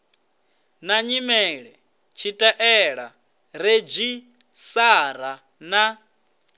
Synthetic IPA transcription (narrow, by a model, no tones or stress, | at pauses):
naɲimɛɺɛ | t͡ʃʰitʼaʔɛɺa | ɾed͡ʒi | saɾa | na